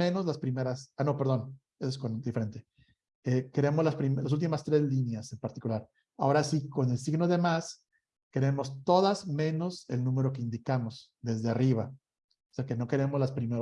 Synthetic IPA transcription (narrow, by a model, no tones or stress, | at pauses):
ẽ̞no̞zlaspɾime̞ɾasano̞pe̞ɾðo̞n | eskond̪ifeɾe̞nt̪e̞ | eke̞ɾe̞mozlaspɾimlas̬ult̪imast̪ɾe̞zlinjase̞mpaɾt̪i̥kulaɾ | ao̞ɾasiko̞ne̞ls̬iɣno̞ðe̞mas | ke̞ɾe̞mo̞st̪o̞ðazmẽ̞no̞se̞̰lnũme̞ɾo̞k̬e̞ind̪ikamo̞s | ðe̞zðeariβa | oseake̞no̞keɾe̞mozlaspɾime